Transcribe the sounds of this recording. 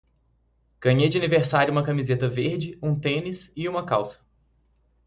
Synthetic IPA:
ɡ̥ɐ̃ɲejd͡ʒɪɐniveɾsaɾjuʊũmɐkɐmizet̪ɐveɾd͡ʒɪũt̪ẽnisɪũmɐkawsɐ̥

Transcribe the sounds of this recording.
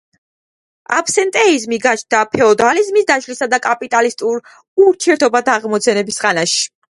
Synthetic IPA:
a̰pʰsɛnt̪ʼɛizmiɡat͡ʃʰd̪apʰɛɔd̪alizmisd̪aʃlisad̪akʼapʼit̪ʼalist̪ʼuɾ | uɾt̪ʰiɛɾt̪ʰɔbad̪aʁmɔt̪sʰɛnɛbisʁanaʃi̥

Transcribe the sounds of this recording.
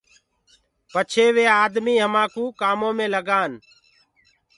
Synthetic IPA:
pət͡ʃʰeːʋeːaːd̪miːɦəmãːkuːkaːmõːmẽːləɡaːn

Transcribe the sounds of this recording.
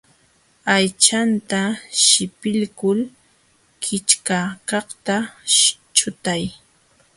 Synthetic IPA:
ajt͡ʃant̪aʃɪpɪlkʊl | kʰɪt͡ʃkakɑχt̪a | t͡ʃʊt̪aj

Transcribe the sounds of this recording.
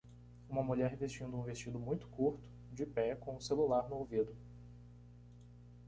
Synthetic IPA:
ũmɐmuʎɛɾvest͡ʃĩnd̪ʊũvest͡ʃid̪ʊmũj̃t̪ʊ̥kuɾt̪ʊ̥ | d͡ʒɪpɛkõʊselulaɾnʊowvid̪ʊ

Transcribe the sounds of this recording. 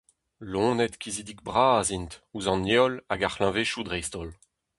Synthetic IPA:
lɔ̃nɛt̪kizid̪ik̚bʁaːzint̪uzɑ̃njɔlaɡaχlɛ̃veʃud̪ʁɛjst̪ɔl

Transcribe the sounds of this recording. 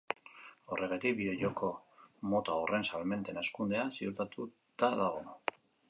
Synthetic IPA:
o̞rʔe̞ɣ̞et̪ik̚biðeʝokʰo̞mo̞t̪aorʔe̞nsalme̞nt̪e̞naskund̪e̞asiuɾt̪at̪u | t̪aðaɣ̞on

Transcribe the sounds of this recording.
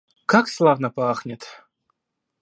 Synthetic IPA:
kakslˠavnəpaaxnʲɪt̪

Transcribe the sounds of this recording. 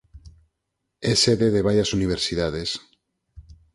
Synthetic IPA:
eseðeðeβ̞ajasuniβ̞eɾsiðaðes

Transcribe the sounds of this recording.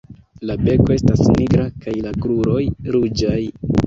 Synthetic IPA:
labe̞ko̞e̞stasniɡɾakajlaɡɾuɾo̞jɾud͡ʒaj

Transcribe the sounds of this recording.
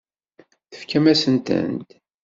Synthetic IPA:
θə̥fkæmæsənt̪ə̰nt̪

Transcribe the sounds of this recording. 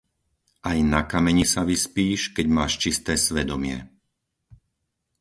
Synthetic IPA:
ʔajnakamɛɲisaʋispiːʃkɛɟmaːʃt͡ʃist̪ɛːsʋɛd̪ɔmɪɛ̰

